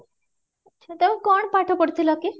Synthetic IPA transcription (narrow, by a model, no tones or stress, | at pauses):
ətːɕʰat̪eũkɔɳpaʈʰɔpəɽt̪ʰilɔke